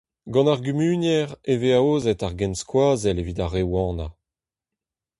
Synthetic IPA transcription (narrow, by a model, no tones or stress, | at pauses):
ɡɑ̃naʁɡymyːnjɛʁeveaoːzɛtaʁɡɛnskwaːzɛlevidaʁewɑ̃ːna